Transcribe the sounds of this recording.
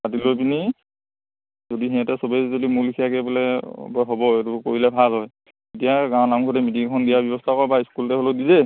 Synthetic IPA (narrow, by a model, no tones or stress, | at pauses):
atilojpini | zodiɦɛ̃ɛtɛsɔbezodimulikʰijakɛbɔlɛ̰bɔɦobɔetukoɹilɛbʱalɦɔj | etijaɡawnaŋkʰɔtɛmitiŋkʰɔndijabjɔbɔstʰakɔɹbaiskultɛɦolodizɛ